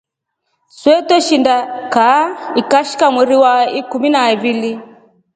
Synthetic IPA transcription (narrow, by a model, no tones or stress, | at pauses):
swɛtɔʃindakaikaʃi̥kamwiɾiwaikuminaiβili